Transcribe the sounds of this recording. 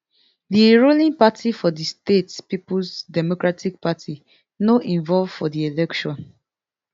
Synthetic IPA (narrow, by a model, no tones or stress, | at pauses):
diɹolĩŋpatʰifɔdistetspipusdɛmokɹatʰik̚patʰi | noʔĩɱvɔlvfɔdielɛkʃɔ̃n